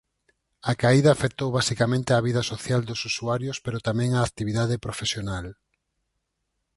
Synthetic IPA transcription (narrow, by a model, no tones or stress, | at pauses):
akaiðaːfekt̪owβasikamẽnt̪eaβiðɐsoθjald̪ʊsusuaɾjospeɾot̪amɛ̃ŋaːk̚t̪iβ̞iðað̞epɾofesjonal